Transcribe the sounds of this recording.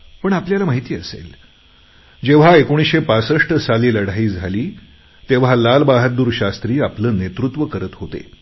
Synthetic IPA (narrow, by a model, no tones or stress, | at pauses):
pəɳapljalamaɦit̪iːəsḛl | d͡ʑeʋ̤aekoɽ̃iɕepasəʂʈəsaliːləɽ̤aiːd͡zʱaliː | t̪eʋ̤alalbaɦət̪̚d̪uːɾɕast̪ɾiːapləːnet̪ɾut̪ʋəkəɾət̪ɦot̪ḛ